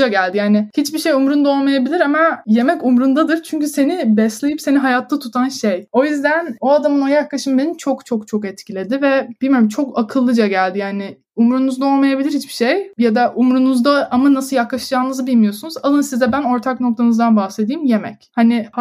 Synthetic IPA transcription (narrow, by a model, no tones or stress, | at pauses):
d͡ʒaɟælʲd̪ijaːnɪhit͡ʃbiʃejumɾund̪ao̞lˠmajabilʲiɾamaje̞mɛcumɾund̪ad̪ɯɾt͡ʃʰyɲcyse̞nibɛslʲejipse̞niɦajat̪ʰːat̪ʰut̪ʰanʃejo̞jyzd̪æno̞ad̪amɯno̞jaklˠaʃɯmbenit͡ʃʰo̞kt͡ʃʰo̞k̚t͡ʃʰo̞kɛt̪cʰilʲe̞d̪ɪvɛb̥ilʲmijo̞ɾumt͡ʃʰo̞kakʰɯlˠːɯd͡ʒaɟælʲd̪ijaːnɪ | umɾunuzd̪ao̞lˠmajabilʲiɾhit͡ʃbi̥ʃejjad̪aʔumɾunuzd̪aʔamanasɯlˠjaklˠaʃɯd͡ʒaːnɯzɯbilʲmijo̞sunuzalˠɯnsizd̪ɛbæno̞ɾt̪ʰakno̞k̚t̪ʰanɯzd̪anbahse̞d̪iːmje̞mɛ̰chanɪ